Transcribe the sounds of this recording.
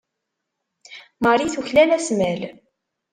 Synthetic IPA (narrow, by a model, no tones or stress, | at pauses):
məɾˤiθuçlænæsmæl